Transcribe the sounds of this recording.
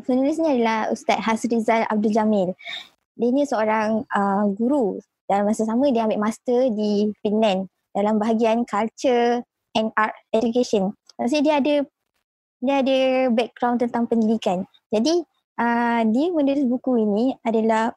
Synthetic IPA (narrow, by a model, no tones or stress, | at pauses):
funulɪs̬ɲĩadalahṵst̪at̪̚ɦasɾizala̰b̚duld͡ʒamɪl | diənĩsəoɾaŋəɡuɾu | d̥alamasasamə̃diəambɪʔmast̪ədipinɛ̃n | dalambaɦaɡiankalt͡ʃə | ʔɛnat̪̚ɛd͡ʒukeʃəntasidiəadə | diəadəbɛk̚ɡ̥ɾawnt̪ənt̪aŋpəndidikan | d͡ʒadi | ʔədiəmə̃nulɪsbukuinĩadalah